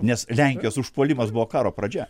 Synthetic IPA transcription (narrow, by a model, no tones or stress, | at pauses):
nʲɛslʲɛŋʲkʲjoːsʊʃpuːlʲimɐsbʊʋoːkɑːɾoːpɾɐd͡ʒʲɛ